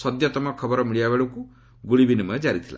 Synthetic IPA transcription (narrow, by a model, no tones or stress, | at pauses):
sɔd̪jat̪ɔmɔkʰɔbɔɾɔmiɽijabeɭuku | ɡuɭibinimɔjed͡ʒaɾit̪ʰila̰